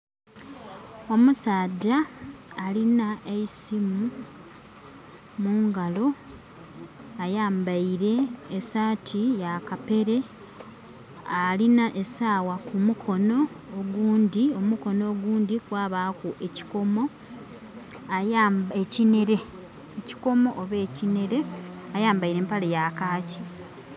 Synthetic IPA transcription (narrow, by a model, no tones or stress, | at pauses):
omusaːɟaː | linaeisimu | muːŋɡalo̞ | ajaːmbaiɾe̞ːsaːtʰijakape̞ɾe̞ | alinaʔesaːwakumukʰo̞no̞ː | ɡuːndio̞muko̞no̞ːɡuːndikwaːβakuʔeci̥ko̞mo̞ | ajaːmbecineɾe̞ | eci̥ko̞mo̞ʔoβe̞ːcine̞ɾe̞ajaːmbaiɾe̞ːmpalejakaːci